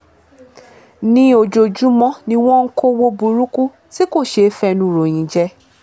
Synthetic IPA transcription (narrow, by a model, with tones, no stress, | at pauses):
nĩ˧o˨d͡ʒo˨d͡ʒu˨˦mɔ̃˦nĩ˧w̃ɔ̃˦ŋ̩˦ko˦wo˧bu˨ɾu˦ku˦ | si˦ko˦˨ʃe˨˦fɛ˧nũ˧˨ɾo˨j̃ĩ˨˦d͡ʒɛ˦